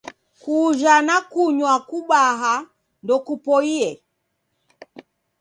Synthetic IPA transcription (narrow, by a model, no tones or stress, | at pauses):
kuʒanakuɲwakuɓaɦa | ndɔkupɔiɛ